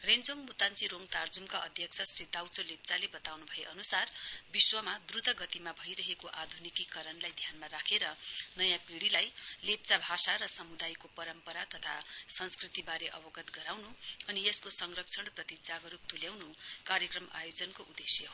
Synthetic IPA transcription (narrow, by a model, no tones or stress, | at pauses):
rend͡zoŋmut̪ant͡siɾoŋt̪ard͡zumkaʔʌd̪ʱjʌksʰʌsrid̪ʱawt͡solep̚t͡salebʌt̪awnubʱʌeʔʌnusarbiswʌmad̪rut̪ʌɡʌt̪imabʱʌjɾʌɦekoʔad̪ʱunikikʌɾʌnlajd̪ʱjanmaɾakʰeɾʌnʌjãpiɽilajlep̚t͡sabʱasaɾʌsʌmud̪ajkopʌɾʌmpʌɾat̪ʌt̪ʰa̰sʌnskrit̪ibaɾeʔʌ̰bʌɡʌt̪ɡʌɾawnuʌniʌskosʌŋrʌkt͡sʰʌɽ̃prʌt̪it͡saɡʌɾut̪uljawnukaɾjʌkrʌma̰jod͡zʌnkoʔud̪esjʌɦ